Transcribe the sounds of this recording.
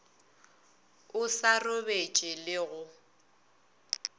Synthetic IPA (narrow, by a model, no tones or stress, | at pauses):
ʊsarʊbet͡ʃʼɪlɪɣʊ